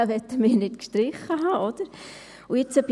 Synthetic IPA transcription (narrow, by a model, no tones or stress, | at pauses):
əʋɛt̪ːəmɪːɾnɪtkʃtɾɪχəɦaʔod̥̪əɾ | ʊjɪt͡səb